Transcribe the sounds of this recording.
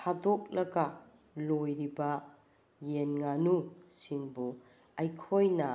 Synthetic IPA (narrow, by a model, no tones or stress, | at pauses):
hadok̚lɐɡɐ | lojɾibɐ | jenŋanusiŋbu | ɐjkʰojnɐ